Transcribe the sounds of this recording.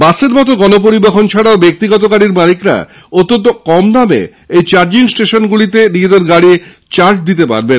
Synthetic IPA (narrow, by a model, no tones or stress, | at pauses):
baseɾmɔt̪̬oɡɔnop̬oɾibexont͡ɕʰaɽaobek̚t̪iɡɔt̪̬okaɽiɾmalikɾa̰ | ot̪ːont̪̬okɔmnamḛ | ejt͡ɕaɾd͡ʑiŋsʈeʃonɡulit̪̬eɾied̪eɾɡaɽi | t͡ɕaɾt͡ɕd̪it̪epa̰ɾben